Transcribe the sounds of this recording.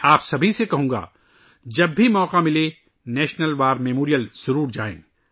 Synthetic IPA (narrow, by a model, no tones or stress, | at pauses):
aːpsɐbʱisekɐɦũːŋ̆ɡa̰ː | d͡ʒɐbːʱimɔːqamɪle | nɛːʃnəlʋaːɾmɛmoːɾijəlsʊɾuːɾd͡ʒaːḛ̃ː